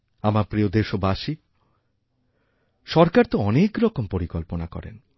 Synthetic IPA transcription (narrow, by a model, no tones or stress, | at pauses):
amapɾiod̪eʃobaʃi | ʃɔɾkaɾt̪oɔnekɾɔkompoɾikɔlponakɔ̰ɾḛn